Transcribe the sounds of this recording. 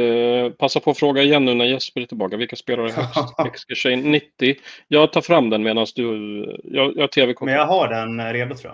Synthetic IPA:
pʰasːapʰɔːfɾoːɡaɪjɛnːʉ̟ːnæɾjɛspəɾɪt̪ʰːɪlbɑːkavɪlkaspeːlaɾəɦœkst̪ɛkskəʂɛjnːɪt̪ːɪjɑːɡt̪ʰɑːɾfɾamːd̪ɛnmeːd̪ansd̪ɵjɑːjɑːt̪ʰeːvɛkʰɔmjaɦaɖɛnɾeːd̪ʊt̪ʰɾua̰

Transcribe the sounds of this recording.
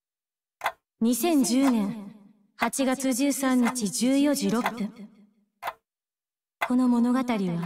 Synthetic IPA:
ɲ̟isẽ̞ɲ̟d͡ʑɨːnẽ̞ɰ̃ | hat͡ɕiɡat͡sɨʑɨːsãɲ̟ːit͡ɕid͡ʑɨːjo̞ʑiɾo̞pːɯ̃ | ko̞no̞mo̞no̞ɡat̪aɾʲiβa

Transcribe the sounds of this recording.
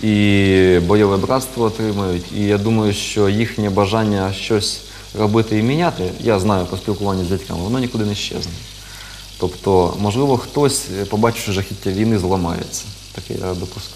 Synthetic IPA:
ibɐjoʋɨjɛbɾat̪st̪vɔɐt̪ɾɨməjʊt̪ʲijad̪uməjʊɕt͡ʃojixnʲɪɐbɐʐanʲɪjəɐɕt͡ʃːosʲ | rɐbɨt̪ɨimʲɪnʲat̪ɪjaznajʊpɔsʲpʲɪlˠkʊvˠanʲːɪzʲdʲɛtʲka̰mɨɐnonʲɪkʊd̪anʲɪɕːḛznɐ | t̪opt̪omɐʐlˠiʋəxt̪osʲpɐbat͡ɕɪ̥t͡ʃʊʐɛxʲitʲːɐʋʲijnɨzlˠɐma̰jɪ̰t̪sɐ̥ | t̪ɐkɪ̰ad̪opʊsk

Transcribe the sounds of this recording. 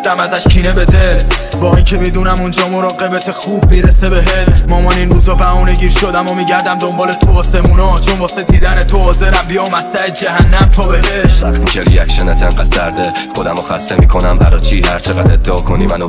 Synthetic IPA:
d̪æmæzæʃcʰiːnebe̞d̪ebɒːincʰebid̪uːnæmond͡ʒɒːmoɾɒːɣe̞bet̪ʰexuːbːiːɾesebeɦemɒːmɒninɾuːzɒːbæmɔːneɟiːɾʃod̪æmomiːɟæɾd̪æmd̪ombɒːlet̪ʰoɒːse̞muːnɒt͡ʃʰombɒːsed̪diːd̪ænet̪ʰohɒːze̞ɾæmbijɒːmæst̪æed͡ʒæɦænːæmt̪ʰɒːbeɦeʃæxt̪ikʰeɾḭjækʃenæt̪ʰænɢæsæɾd̪e | χo̞d̪æmoxæ̰st̪emḭːkʰonæmbæ̰ɾɒːt͡ʃʰiːhæɾt͡ʃʰeɣæd̪ed̪̥ːeɒːkʰoniːmæno

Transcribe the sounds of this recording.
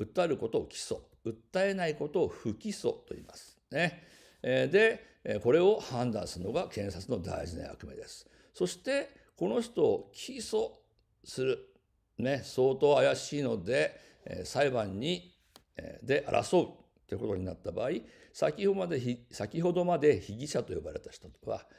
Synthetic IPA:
ɯ̟t̪ːaɾɯ̟ko̞t̪o̞ːkʲi̥so̞̰ | ɯ̟t̪ːae̞naiko̞t̪o̞ːɸɯ̟kʲiso̞̰t̪o̞ḭːma̰sɨ̥ne̞ | d̪e̞ | ko̞ɾe̞o̞hãnd̪ã̰ɰ̃sɨɾɯno̞ɡakẽ̞ɰ̃sat͡sɨno̞d̪a̰iʑina̰a̰kɯ̟me̞̰d̪e̞sɨ̥ | so̞ɕi̥t̪e̞ | ko̞no̞çi̥t̪o̞ːkʲʰiso̞ | sɨɾɯ̟ | ne̞so̞ːt̪o̞ːajaɕiːno̞d̪e̞̰ | saibãɲːḭ | d̪e̞ʔa̰ɾʔa̰so̞ɯ̟tːoji̟ko̞t̪o̞̰ɲ̟inat̪ːabaːi | sakʲihomad̪eçisakʲiɦo̞d̪o̞mad̪e̞çiɡʲiɕat̪o̞jo̞baɾe̞t̪ḁçi̥t̪o̞βa̰

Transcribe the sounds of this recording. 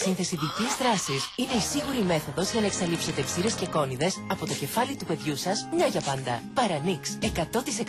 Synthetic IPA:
sinθe̞siðicizðɾɐsisine̞isiɣuɾime̞θo̞ðo̞zʝɐnɐe̞ksɐlipse̞t̪e̞psiɾe̞sce̞ko̞niðe̞sɐpo̞t̪o̞ce̞fɐlit̪upe̞ðʝusɐsmɲɐʝɐpɐnd̪ɐ̰pɐɾɐnikse̞kɐt̪o̞t̪ise̞k

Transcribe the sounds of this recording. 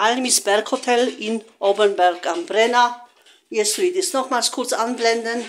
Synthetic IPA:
ʔalmisb̥ɛɐkhotʰɛlɪnʔoːbənbɛʁkambʁɛna | ɛstdisnɔχmaːlskʰʊɐt͡sanblɛndən

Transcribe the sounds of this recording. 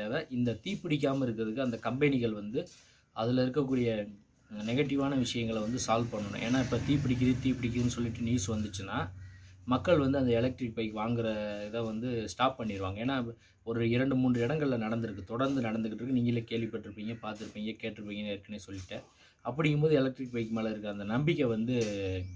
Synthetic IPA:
aːðɐʔɪnd̪ɐt̪iːpːɪɽɪk̬ʲːaːmɐɪɾɯkːɯɾɐðɯkːɯɐnd̪ɐkɐmbɛnɪɣɐɭʋɐnd̪ɯ | ɐðɪlɪɾɯkːɐkːuːɽɪjɐ | nɛɣɐʈːɪʋaːnɐʋɪʂɐjɐŋɡɐɭʋɐnd̪ɯsaːlpɐɳːɯɳʊ̰̃ʔḛːnːaːɪpːɐt̪iːp̬ːɪɽɪk̬ːɐðɯt̪iːpːɪɽɪk̬ːɐðɯnːɯsɔlːɪʈːɯniːsʋɐnd̪ɯt͡ʃːɯnːãːmɐkːɐɭʋɐnd̪ɯɐnd̪ɐɛlɐk̚ʈɪʈ̚pɐjkːɯʋaːŋɡɪɾɐðaʋɐnd̪ɯsʈaːpːɐɳːɪɪɾɯʋaːŋɡɐeːnːaː | ɔɾɯɪɾɐɳɖɯmuːɳdrɯɪɽɐŋɡɐɭɪlɐnɐɽɐnd̪ɯɾɯkːɯt̪ɔɽɐɾnd̪ɯnɐɽɐnd̪ɯkɪʈːɾɯkːɯniːŋɡɐlekeːɭʋɪpːɐʈːɪɾɯpːiːŋɡɐpaːɾt̪ɯɾɯpːiːŋɡɐkeːʈːɪɾɯpːiːŋɡɐnɪɾɯkːɐnesɔlːɪʈːɯ | ʔɐpːɐɽɪŋkːɯmboːðɯɛlɐk̚ʈɾɪʈ̚pɐjkːɯmeːlɐɪɾɯkːɯɐnd̪ɐnɐmbɪkːɛʋɐnd̪ɯ

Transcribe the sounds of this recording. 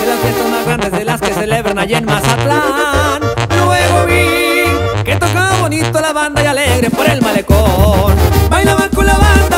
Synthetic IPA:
d̪elazβjest̪azmazɣɾand̪e̞zðelaske̞se̞le̞βɾanaʝenmasat̪laanlweɣoβi | ket̪okaβo̞nit̪olaβand̪ajaleɣɾe̞po̞ɾe̞lmale̞konbajlaβaŋkolaβand̪a

